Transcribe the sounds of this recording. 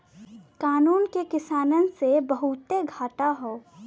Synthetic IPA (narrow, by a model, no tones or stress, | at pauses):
kaːnuːnkekɪsaːnənsebəɦut̪eɡʱaːʈaɦoː